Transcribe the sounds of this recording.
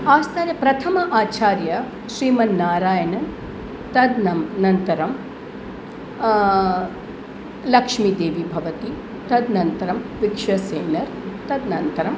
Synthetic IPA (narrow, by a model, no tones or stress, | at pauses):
aːst̪ʰaːnjɐpɾɐt̪ʰɐmɐʔaːt͡ʃaːɾjɐ | ʃɾiːmɐnːaːɾaːjɐnɐn | t̪ɐd̪nɐnɐnt̪ɐɾɐm | lɐkʂmid̪eːʋibʱɐʋɐt̪i | t̪ɐd̪nɐnt̪ɐɾɐmʋikʂɐseːnɐɾt̪ɐd̪nɐnt̪ɐɾɐm